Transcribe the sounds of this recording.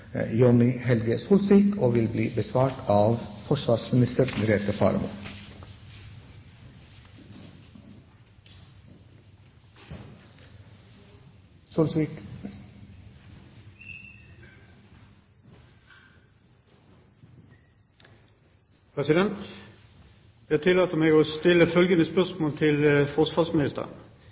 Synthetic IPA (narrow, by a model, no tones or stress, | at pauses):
jɔnɪhɛlɡəsuːlsʋiːkoːʋɪlbliːbəsʋɑːʈʰɑːʋfɔʃʋɑːsmɪnɪst̪əɾɡ̪ɾeːt̪əfɑ̰ːɾmṵ | sulsʋik | pʰʁɛsɪd̪ɛnt̪ | d̪ɑhɑt̪ʰɪlɑːt̪əmeːɡoːst̪ɪləfœlɡənəspœʁsmoːlt̪ʰɪləfɔʁsʋɑːsmɪnɪst̪ə̰ʁə̰n